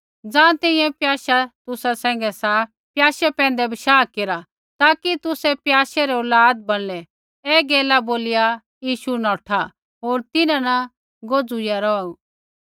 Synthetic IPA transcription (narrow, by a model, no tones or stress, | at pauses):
d͡zãːt̪ɛ̃ɪ̃jɛ̃pjaːʃat̪ʊsasɛ̃ːŋ̆ɡɛsa | pjaːʃɛpɛ̃ːn̆d̪ɛbɐʃaːkeɾa | t̪aːkit̪ʊsɛpjaːʃɛɾɛolaːd̪̚bɐɽ̃lɛ | ɛːɡeːlaboːlɪja | jiːʃunɔːʈʰa | ɦoːɾt̪ɪnãnɐ | ɡoːd͡zujaɾɔaũ